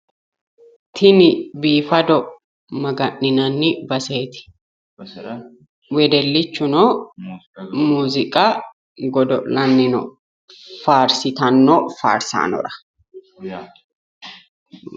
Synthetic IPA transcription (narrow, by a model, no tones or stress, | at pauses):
t̪ʰɪnɪbiːfɐd̪ɔ | mɐɡɐʔnɪnɐnːɪbɐseːt̪ɪ̥ | wɛd̪ɛlːɪt͡ʃːʊnoː | muːzɪkʼa | ɡɔd̪ɔlɐnːɪnɔ̰ | faːɾsɪt̪ɐnːoːfa̰ːɾsa̰ːnɔ̰ɾɐ̥